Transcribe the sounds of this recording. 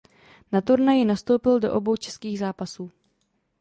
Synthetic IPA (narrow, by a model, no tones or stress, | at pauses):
nat̪uɾnajɪnast̪o̞wpɪldo̞ʔobo̞wt͡ʃɛ̥skiːɣzaːpasuː